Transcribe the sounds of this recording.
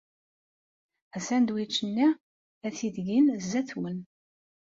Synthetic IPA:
æsænd̪wit͡ʃːənːi | æθiðɡinzːæθwən

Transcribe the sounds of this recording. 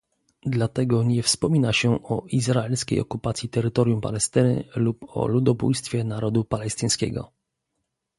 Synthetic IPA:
d̪lat̪ɛɡɔɲɛfspɔmʲinaɕɛɔizɾaɛlskʲḛjɔkupat̪sʲjit̪ɛɾɘt̪ɔɾjumpa̰lɛst̪ɘnɘ̰lupɔ̰lud̪ɔbṵjst̪fʲjɛnaɾɔd̪upalɛst̪ɘj̃skʲɛ̰ɡɔ̰

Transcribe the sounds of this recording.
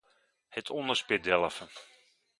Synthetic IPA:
hɛtʰɔndəspɪdɛlˠəfə

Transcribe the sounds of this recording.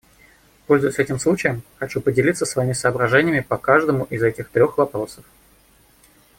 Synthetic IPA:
po̞lʲzʊjɪsʲɛtʲɪmslˠut͡ɕɪjəmxɐt͡ɕupədʲɪlʲit̪səsvɐimʲɪsəːbɾɐʐɛnʲɪjəmʲɪpɐkaʐd̪əmʊʔɪzɛtʲɪxt̪ɾʲo̞xvɐpɾo̞səf

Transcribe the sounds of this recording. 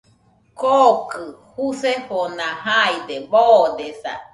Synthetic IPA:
kokɯhuseɸonãɦajd̪eboːd̪esa̰

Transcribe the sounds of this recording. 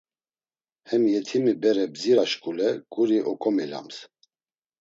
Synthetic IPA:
hɛmjɛt̪ʰimibɛɾɛbziɾaʃkʼulɛkʼuɾiʔɔkʼɔmɛla̰ms

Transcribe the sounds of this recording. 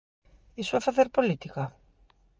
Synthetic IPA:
isuafaθeɾpolit̪ikɐ

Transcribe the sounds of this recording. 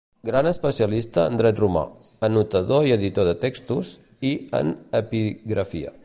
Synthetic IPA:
ɡɾanəspəsiəlist̪ə̰ːnd̪ɾɛt̪ruma̰ | ənut̪əðoiəðit̪oðət̪ekst̪us | iə̰nəpiɣɾəfiə̰

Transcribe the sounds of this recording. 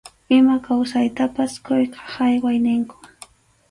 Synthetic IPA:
ɪmakawsajt̪apaskʊjqʰɑ̥hajwajnɪŋkʊ̥

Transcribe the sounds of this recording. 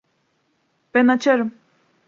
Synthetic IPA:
b̥ænat͡ʃʰaɾɯm

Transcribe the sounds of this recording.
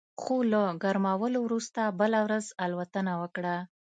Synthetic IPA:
xolaɡaɾmawəlowɾust̪abəlawɾazalwat̪ənawəkɽa

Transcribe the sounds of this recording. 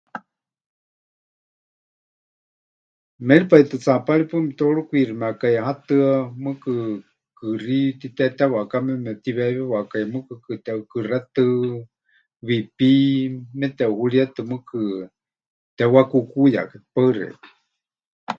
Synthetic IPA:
mɛɺipait̪ɨt͡sapalipɨmɛt̪oɺukʷirimɛakajaɦat̪ɨamɨkɨ | kɨrit̪it̪ɛt̪ɛwakamɛmɛt̪iβɛβɛwakajmɨkɨkɨt̪ɛukɨrat̪ɨ | βipimɛt̪ɛuhuɺiat̪ɨmɨkɨ | t̪ɛwakukuja̰kḁpaɨrɛ̰̥

